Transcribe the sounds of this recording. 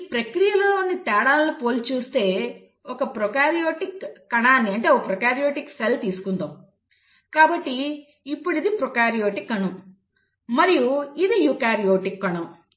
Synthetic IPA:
ipɾɐkɾijɐlɐloːnit̪ɛːɽaːllupoːlt͡ʃuːst̪e̞ː | ɔkɐpɾɔkaːɾijoːʈikːɐɳaːnːiɐɳʈe̞ːopɾɔkaːɾijo̞ːʈikselt̪iːsu̥kund̪om | kaːbɐʈːiː | pːuɽid̪ipɾɔkaːɾijoːʈikːɐɳum | mɐɾijuid̪ijukaːɾijoːʈikːɐɳum

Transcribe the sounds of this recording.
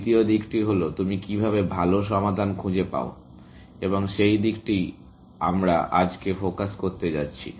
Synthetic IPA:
t̪iod̪ikʈiɦolot̪umikibʱaβebʱaloʃɔmad̪ʱankʰud͡ʑepa̰o | eboŋʃejd̪ikʈi | amɾaʔad͡ʑkefokaskoɾt̪ed͡ʑatːɕʰḭ

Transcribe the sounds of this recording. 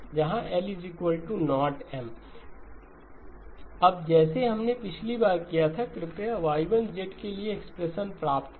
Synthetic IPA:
d͡ʒɐɦãʔɛːlɪzikwəlʈunɔːʈɛːm | ɐbd͡ʒɛːseɦɐmnepɪt͡ʃʰlibaːɾkijat̪ʰakɾɪpjaʋaːiʋə̃nd͡ʒeʈkelieːkspɾeʃənpɾaːpt̪

